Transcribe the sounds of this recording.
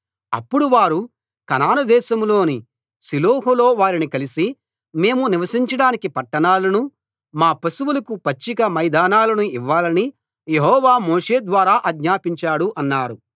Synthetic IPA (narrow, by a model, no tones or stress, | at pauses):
ɐ̰pːuɽuʋaːɾu | kɐnaːnɐd̪ɛːʃɐmlo̞ːni | siloːɦulo̞ːʋaːɾinikɐlisi | me̞ːmuniʋɐsiɲt͡ʃɐɽaːnikipɐʈːɐɳaːlɐnu | maːpɐsuwulɐkupɐt͡ʃːikɐmɐjd̪aːnaːlɐnuiʋːaːlɐni | jeɦɔːʋaːmoːʂe̞ːd̪ʋaːɾaːʔɐɡɲaːpiɲt͡ʃaːɽuʔɐnːaːɾu